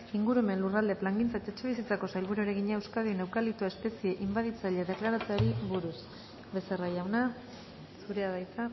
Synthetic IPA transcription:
iŋɡuɾueme̞nlurald̪e̞plaŋɡint͡saet̪aet͡ʃe̞β̞isit͡sako̞sajlβuɾueɾe̞ɣ̞iɲaewskaðiene̞wkalit̪uae̞spe̞sie̞ʔimbaðit͡saʎeaðe̞klaɾat͡seaɾiβuɾus | βe̞se̞rajawna | suɾe̞aðajt͡sa

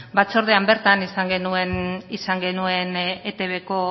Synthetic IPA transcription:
bat͡soɾðeambe̞ɾt̪anisaŋɡe̞nue̞nisaŋɡe̞nue̞net̪e̞βe̞ko̞

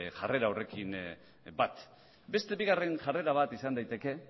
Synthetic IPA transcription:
ʝare̞ɾawre̞kin | bat̪ | be̞st̪e̞βiɣ̞are̞nʝare̞ɾaβ̞at̪isand̪ajt̪e̞ke̞

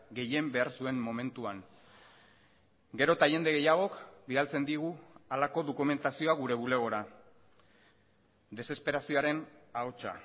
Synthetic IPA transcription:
ɡe̞je̞mbe̞aɾsue̞mːo̞me̞nt̪uaŋ | ɡe̞ɾo̞t̪aʝe̞nd̪e̞ɣ̞e̞jaɣ̞o̞kbiðalt͡se̞nd̪iɣ̞ualako̞ðo̞kume̞nt̪asio̞aɣ̞uɾe̞β̞ule̞ɣ̞o̞ɾa | d̪e̞se̞spe̞ɾasio̞aɾe̞naot͡ʃa̰

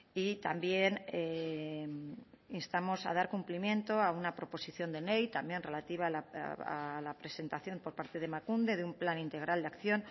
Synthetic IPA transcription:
it̪ambje̞ne | inst̪amo̞sa̰ð̞aɾkumplimjẽ̞nt̪o̞aunapɾo̞po̞siθjo̞nd̪ene̞jt̪ambje̞nre̞lat̪iβ̞ala̰a̰lapɾe̞se̞nt̪aθjo̞mpo̞ɾpaɾt̪eð̞e̞makund̪e̞ðeumplanint̪e̞ɣ̞ɾʔald̪eakθjo̞n

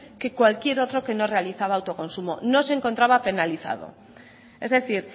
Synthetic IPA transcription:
ke̞kwalkje̞ɾo̞t̪ɾo̞ke̞no̞re̞aliθaβaːwt̪o̞ko̞nsumo̞no̞seŋkont̪ɾaβape̞naliθa̰ð̞o̞̰ | e̞zðe̞θiɾ

